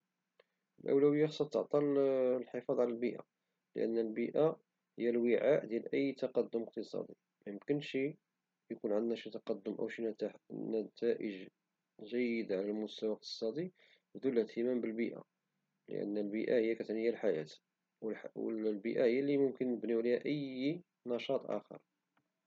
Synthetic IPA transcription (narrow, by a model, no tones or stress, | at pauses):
əlʔə̰wlæwəjːaxsˤɑt̪ːəʕt̪ˤɑlħefɑd̪ˤʕlælbiʔa̰ | lə̰ʔə̰nːəlbiʔa | həjːælwəʕaʔd̪jælʔəjːt̪ɑqɑd̪ːʊməq̚t̪əsˤɑ̰d̪i | mæjəmkənʃi | jkunʕənd̪næʃit̪ɑqɑd̪ːʊmʔæ̰wʃinæt̪næt̪ʰæʔəʒ | ʒæjːəd̪ʕalælmʊst̪æwaq̚t̪ə̥sˤɑd̪i | bd̪ulːhæt̪ʰːəmæmbəlbiʔa̰ | lə̰ʔə̰nːəlbiʔæhəjːækæt̪nhəjːælħajæ̰t̪ | wwə̰lbiʔæhəjːælimʊmkənːəbniwlihæʔəj | nɑʃɑt̪ˤʔæ̰xə̰ɾˤ